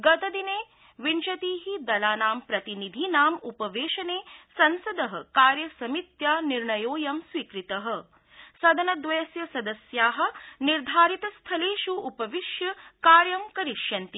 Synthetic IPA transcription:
ɡɐt̪ɐd̪ineː | ʋint͡ʃɐt̪iːɦid̪ɐlaːnaːmpɾɐt̪inid̪ʱinaːmupɐʋeːʃɐneːsɐnsɐd̪ɐɦɐ̆kaːɾjɐsɐmit̪jaːniɾɳɐjoːjɐmsʋiːkɾit̪ɐɦɐ̆ | sɐd̪ʱɐnɐd̪ʋeːsjɐsɐd̪ɐsjaːɦɐ̆niɾd̪ʱaːɾit̪ɐst̪ʰɐleːʃuːpɐʋiʃjɐkaːɾjɐmkɐɾiʃjɐnt̪i

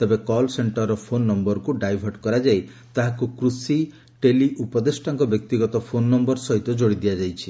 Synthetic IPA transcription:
t̪ebekɔlseɳʈɔɾːɔpʰonːɔmbɔɾkuɖajbʱɔɾɖkɔɾad͡ʒaj | t̪aɦakukɾusi | ʈeliʔupɔd̪esʈaŋkɔbjɔk̚t̪iɡɔt̪ɔpʰonːɔmbɔɾsɔɦit̪ɔd͡ʒoɽid̪ijad͡ʒajt͡ʃʰi̥

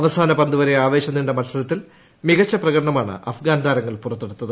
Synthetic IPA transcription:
ɐʋɐsaːnɐpɐnd̪uʋɐɾeaːʋe̞ːɕɐnːindemɐnsɐlɐt̪ːil | miɣɐt͡ɕːɐprɐɣɐɾɐɳɐmaːɳɨ̰ʔɐfɡaːnd̪aːɾɐŋːɐɭpurɐt̪ːeɽut̪ːɐðɨ

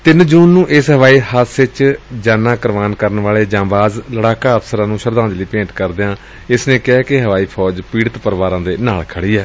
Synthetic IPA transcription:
t̪ɪnd͡ʒuːnːũːʔɪsɦəʋaːiːhəsɪt͡ʃd͡ʒaːnãːkəɾʋaːnkəɾənʋaːɭeːd͡ʒãːbaːzləɽaːkaːəpsəɾãːnũːʃəɾd̪ãːnd͡ʒliːpẽːɳʈkəɾd̪eːãː | ɪsnẽːkɛːkɪɦəʋaːiːpʰɔːd͡ʒpiːɽət̪pəɾʋaːɾãːd̪eːnaːlkʰəɽiːɛː

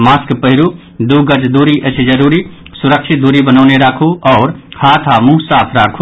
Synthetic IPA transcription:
maːskpəɦɪɾu | d̪uɡəd͡ʒd̪uːɾiʔət͡ʃʰd͡ʒəɾuːɾi | sʊɾəkʃʰɪt̪̚d̪uːɾibənaʊneɾaːkʰuɔːɾhaːt̪ʰamuɦsaːpʰɾaːkʰu

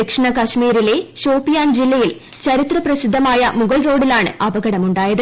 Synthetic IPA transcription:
ikʂɐɳɐkɐɕmiːɾile̞ɕoːpːijaːnd͡ʑilːɐjil | t͡ɕɐɾit̪rɐprɐsid̪ʱːɐmaːjɐmuɣɐɭro̞ːɽilaːɳɨ̰ʔɐbɐɣɐɽɐmuɳɖaːjɐðɨ

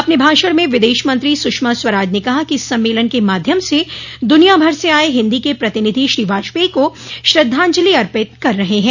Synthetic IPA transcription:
ɐpnebʱaːʃəɽmẽʋɪd̪eːʃmɐ̃nt̪ɾisʊkʃmaswɐɾaːd͡ʒnekɐɦakiɪsːɐ̃mːeːlənkemaːd̪ʱjəmsed̪ʊnijabʱɐɾseaːeɦɪ̃nd̪ikepɾɐt̪ɪnɪd̪ʱiʃɾiːʋaːʃpeːkoʃɾɐd̪ʱːãːɲd͡ʒəliɐɾpɪt̪̚kɐɾːɐɦeɦɛ̃ː

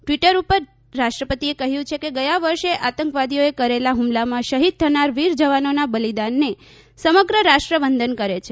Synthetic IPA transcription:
ʈʋiʈəɾupəɾː | aʃʈɾəpət̪iekəɦjũt͡ʃʰekeɡəjaʋəɾʃeʔat̪əŋkʋad̪ijoekəɾelaɦumlamãʃəɦid̪̚t̪ʰənaɾʋiɾd͡ʒəʋanonabəlid̪anːe | səməɡɾəɾaʃʈɾəʋənd̪ənkəɾet͡ʃʰe

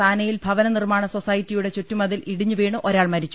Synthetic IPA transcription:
aːnɐjilbʱɐʋɐnɐnirmaːɳɐso̞sɐjitːijuɽe̞t͡ɕutːumɐðiliɽiɲːuʋe̞ːɳuʔoɾaːɭmɐɾit͡ɕːu

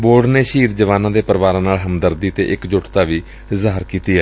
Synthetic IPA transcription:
boːɖneːʃiːt̪d͡ʒəʋaːnãːd̪eːpəɾʋaːɾãːnaːlɦəmd̪əɾd̪iːt̪ḛːʔɪkd͡ʒʊʈt̪aːʋiː | ɪzaːəɾkiːt̪iːɛː

